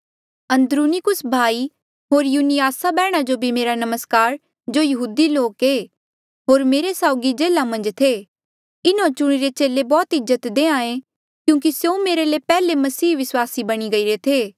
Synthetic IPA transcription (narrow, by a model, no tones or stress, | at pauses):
ɐ̃nd̪ɾuːnikʊsbʱaːi | ɦoːɾjuːnijaːsabɛːɽ̃ad͡ʒobʱimeːɾanɐməskaːɾ | d͡ʒoːjɐɦuːd̪iloːkeː | ɦoːɾmeːɾesaːʊɡid͡ʒeːlamɐ̃nd͡ʒt̪ʰe | ɪnõt͡ʃʊɽ̃iɾet͡ʃeːlebɔːt̪ɪzət̪d̪eːãːẽ | kjũːk̬isjoomeːɾelepɛːlemɐsiːʋɪswaːsibɐɽ̃iɡɐiɾet̪ʰeː